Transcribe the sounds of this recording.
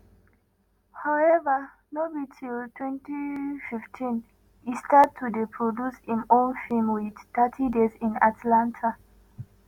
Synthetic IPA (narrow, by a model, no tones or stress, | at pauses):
haʊɛva | nobitʰiltʰwɛ̃ntififtʰĩn | istad̚tʰːudepʰɹodushĩmõnfilmwidtatʰidezĩna̰tlãntʰa